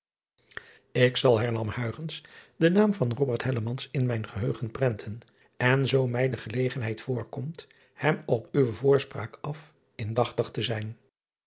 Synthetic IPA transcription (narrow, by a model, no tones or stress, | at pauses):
ɪksɑlˠɦɛɹnɑmhœɥχənsdənaːmvɑnrɔbəɹtɦɛləmɑnsɪnmɛjnχəɦøɥχənprɛntʰən | ɛnzowmɛjdəχəlejχənɦɛjtfʊːɹkɔmt | hɛmɔpyʋəvʊːɹspra̰ːkɑf | ɪndɑχtɑχtəzɛjn